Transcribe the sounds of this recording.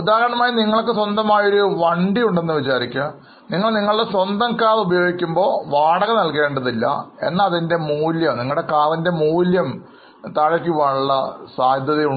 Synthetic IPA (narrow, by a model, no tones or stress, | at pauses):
ud̪aːɣɐɾɐɳɐmaːjiniŋːɐɭkːɨswɐnd̪ɐmaːjo̞ɾuʋɐɳɖijuɳɖe̞nːɨʋit͡ɕaːɾikʲːɐ | niŋːɐɭniŋːɐɭuɽeswɐnd̪ɐŋkːaːrubɐjo̞ːɡikʲːumbo̞ːʋaːɽɐɣɐnɐlke̞ːɳɖɐðilːɐ̰e̞̰nːɐːðinde̞muːljɐmniŋːɐɭuɽe̞kaːrinde̞muːljɐm | t̪aːɻɐkʲːiʋɐɭːɐsaːd̪ʱjɐðiju